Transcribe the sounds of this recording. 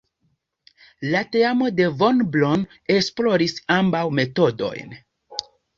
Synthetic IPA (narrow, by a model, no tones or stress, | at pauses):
late̞amo̞de̞vo̞nblon | e̞splo̞ɾisambawme̞to̞do̞̰jn